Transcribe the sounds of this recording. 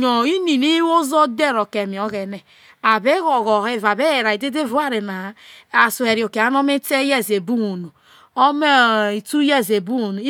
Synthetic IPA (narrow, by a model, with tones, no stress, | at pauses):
ɲo˨i˦ni˨ni˦wo˦zo˦de˦ɾo˨ke˨mi˨o˦ɣe˨ne˨ | a˨be˦ɣɔ˨ɣo˨e˦va˨be˦e˨ɾa˨i˨de˦de˦vu˦a˦ɾe˨na˨a˨su˨e˨ɾi˨o˨ke˨a˦no˦me˦te˦je˦˨ze˨bu˦wo˨nu˨ | o˦me˦˨i˨tu˦je˦˨ze˨bu˦o˨nu˨˦